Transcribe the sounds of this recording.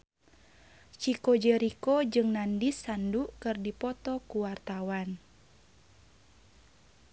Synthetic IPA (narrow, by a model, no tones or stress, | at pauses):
t͡ʃikod͡ʒəɾikod͡ʒɨŋnandisːanduʔkɨrdipɔt̪ɔkuwart̪awan